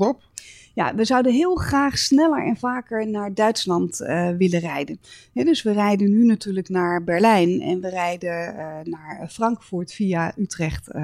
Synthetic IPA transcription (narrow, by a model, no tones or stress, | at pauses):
ɔp | ja̰ʋəzʌwdəɦɪːlˠχraːχsnɛlə̰ɹɛ̰nvaːkəɹnaːɹdœɥtslɑntʋɪlərɛjdənɦɛdɵsʋərɛjdənynatyːɹləknaːɹbɛɹlɛjnɛ̰nʋərɛjdənaːɹfrɑŋkfuːɹtfijaʔytrɛχt